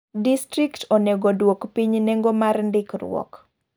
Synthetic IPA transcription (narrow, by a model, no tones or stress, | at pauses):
distɾiktʰoneɡodwokpiɲnɛŋɡomarndɪkrʊw̰ɔ̰k